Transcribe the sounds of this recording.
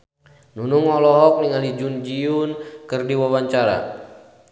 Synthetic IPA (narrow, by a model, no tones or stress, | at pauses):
nunuŋɔlɔɦɔk̚liŋalid͡ʒund͡ʒiunkɨrdiwawaɲt͡ʃaɾa̰